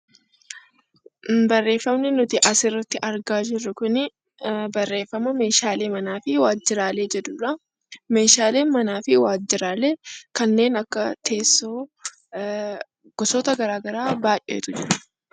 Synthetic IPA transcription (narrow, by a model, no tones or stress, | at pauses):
bɐrːe̞ːfɐmnɪnʊt̪ɪʔɐsɪrːɐt̪ːɪʔɐɾɡaːd͡ʒɪrːʊkʊnɪ | bɐrːe̞ːfːɐmɐme̞ːʃaːleːmɐnaːfɪwaːd͡ʒːɪɾaːle̞ːd͡ʒɛd̪uːᶑɐ | me̞ːʃaːle̞ːnmɐnaːfɪwaːd͡ʒːɪɾaːle̞ːkɐnːe̞ːnɐkːɐt̪ʰe̞ːsːoː | ɡ̥ɔsɔːt̪ɐɡɐɾaːɡɐɾaːbaːjʔḛːt̪ʊd͡ʒɪɾɐ̥